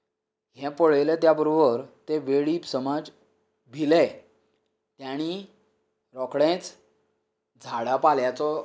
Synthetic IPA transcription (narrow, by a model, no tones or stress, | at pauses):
ɦɛ̃poɭelɛt̪jabəɾobəɾt̪eʋeɭipsəmad͡z | bʱilɛ̃ | t̪jaɽ̃i | ɾɔkɽẽt͡s | d͡zʱaɽapaljat͡sɔ